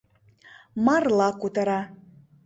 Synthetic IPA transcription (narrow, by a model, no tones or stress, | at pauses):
mɑrlˠɑkut̪əɾɑ